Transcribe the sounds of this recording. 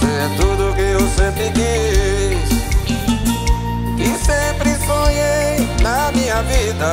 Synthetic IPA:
ẽ | t̪ud̪ʊkɪewsẽmpɾɪd̪i | s | kɪsẽpɾɪsoɲejnɐmĩɲɐvid̪ɐ

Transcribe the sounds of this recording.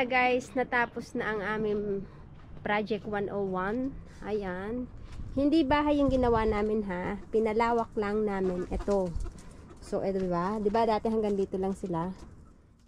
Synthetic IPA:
ɐɡajsnɐt̪aːposnɐʔɐŋʔaːmɪŋ | pɾaːd͡ʒɛk̚t̪wanʔowan | ʔɐjanhɪnd̪ibaːɦɐjʊŋɡɪnɐwanaːmɪnɦapɪnɐlaːwɐk̚laŋnaːmɪnʔɛt̪o̞ | so̰ʔɛt̪d̪ɪbad̪ɪbad̪aːt̪ɛɦɐŋɡand̪iːt̪olaŋsɪla

